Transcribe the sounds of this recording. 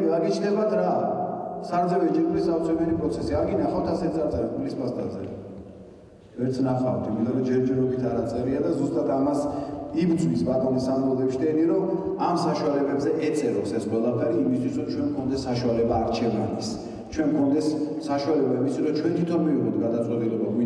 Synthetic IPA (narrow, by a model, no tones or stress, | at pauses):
aɡit͡ʃʰnɛbat̪ʰɾa | saɾd̪zɛvɛd͡ʒɛɾkʼlisat̪sʰɛbɛnipʼɾɔt̪sʰɛsiaɾɡinaχawt̪ʰasɛt̪saɾt̪sʼɛɾamilispast̪ʰʼa̰zɛ̰ɾɛ | vɛɾt̪sʰnaχawt̪ʰimit̪ʼɔɾɔd͡ʒɛɾd͡ʒɛɾɔbit̪ʰaɾat̪sʼɛɾiad̪azust̪ʼat̪ʰamasibd̪zmispʼat̪ʼɔnisamɔlˠad̪ɛpʃid̪ɛniɾɔ | amsaʃualɛbɛbzɛʔɛt̪sʼɛɾɔsɛsqʼwɛlˠapʰɛɾiːmist̪ʰwisɾɔmt͡ʃʰwɛnmkʰɔnd̪ɛsːaʃualɛbaːɾt͡ʃʰɛva̰nis | t͡ʃʰwɛnkʰɔnd̪ɛsːaʃualɛbaimisiɾɔt͡ʃʰwɛnt̪ʰit̪ʰɔnmiviʁɔt̪̚ʰɡad̪at̪sʼɛt̪ʼilɛbami